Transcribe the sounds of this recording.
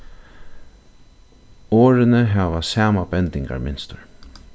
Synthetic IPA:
oːɾɪnəɦaːʋasaːmabɛnt̪ɪŋka̰ɹmɪnst̪əɹ

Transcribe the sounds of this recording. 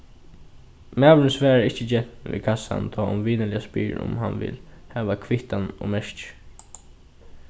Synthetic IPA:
mæːʋənsʋɛːɾaɪht͡ʃːəd͡ʒɛʋḭːkʰasa̰nt̪ʰɔːʊmʋiːnəlɪaspḭːɾʊ̰mɦa̰nʋɪ̰lhɛːʋakʰʋɪht̪anɔmɛʂt͡ʃ

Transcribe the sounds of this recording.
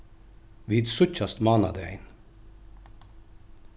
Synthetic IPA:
ʋiːd̪sɵçast̪mɑːna̰d̪əɛ̰ɪn

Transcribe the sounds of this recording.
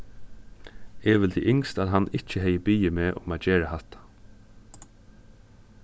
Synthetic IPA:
ɛʋɪlt̪ʰḭːʔɪŋst̪aðɦanːɪht͡ʃəɦɛjəbiːjəmeːʔʊ̰maːd͡ʒɛːɹahat̪ḁ

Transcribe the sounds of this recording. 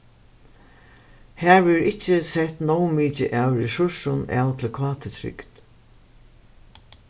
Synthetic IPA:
hæːɹʋɪɾɪt͡ʃːɪsɛt̪nɔwmiːt͡ʃɪ̰ʔaːwɹɛsʊʂʊna̰ːwt̪ʰɪlkʰʋɑːt̪ʰɪt̪ʰɾɪ̰ɡt̪

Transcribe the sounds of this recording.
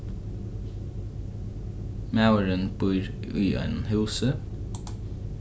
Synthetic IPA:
maʊəɹənb̥ʊʏɹʉːœ̰ɪnmhʉːsə

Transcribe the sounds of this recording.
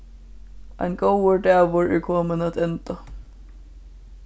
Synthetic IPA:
a̰jnɡowəɹɖæːʋʊɹɛ̰ɹkʰɔːmɪnat̪ʰɛnt̪a

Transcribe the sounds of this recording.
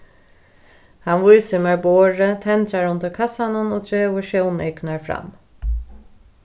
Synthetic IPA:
hanʋʊjsʏmaɹboːɹət̪ʰɛnt̪ɾaɾʊnt̪əɾkʰasanənoːt̪ʰɾeːʋʊʃownɛknaɹfɾa̰m

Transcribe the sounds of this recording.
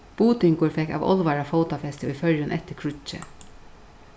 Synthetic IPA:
b̥uːt̪ɪŋkʊɹfɛkːɑ̰ːʋɔ̰lʋɑɹɑfoʊt̪ɑfɛst̪ɪʋifœɾjənʔɛt̪ːəkʰɹʉt͡ʃːə̰

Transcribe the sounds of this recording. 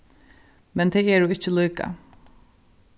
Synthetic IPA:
mɛnd̪eːæːɖʉːɪçəlœːkɑ̰

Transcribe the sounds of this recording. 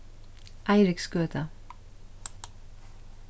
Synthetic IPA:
ʔæɪɾɪksɡøːt̪ʰə

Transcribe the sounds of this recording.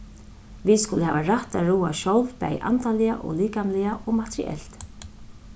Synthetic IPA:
viskʊləhɛːvaɾaht̪aɾuːaʃɔwlvpɛ̰jʔa̰nt̪alɪaʔɔ̰ɣliːkanlɪaʔɔɣmat̪ʰɾɪ̰ʔɛ̰l̥t̪

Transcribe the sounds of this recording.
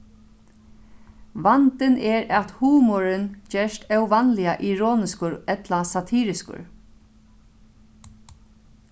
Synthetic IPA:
ʋant̪ɪnɛɹat̪huːmɔɾɪnd͡ʒɛːʂt̪ɛwʋanlɪaʔiɹɔːnɪskʊɹɛt̪lasat̪ʰiːɾɪskʊ̰ɹ

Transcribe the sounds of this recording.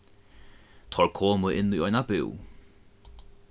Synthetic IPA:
t̪ʰɔɹkʰoːməʔɪnluɔjnabɪ̰w

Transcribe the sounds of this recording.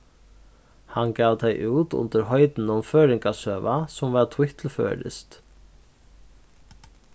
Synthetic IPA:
hanɡaːvd̪ajʔuːt̪ʊ̰nt̪əɾɦɔʏt̪n̩ʊmføːɾɪŋkasœːvasʊmvaɾt̪ʰwɪht̪ʰlfø̰ːɾɪ̰st̪

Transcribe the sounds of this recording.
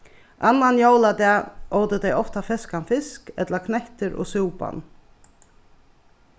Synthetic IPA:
ʔanːanjowlat̪ɛːoːwt̪ɪt̪ejɔft̪afɪskanfɪskɛ̰t̪laɾkʰnɛht̪ɪɾɔ̰ɣsuwpa̰n

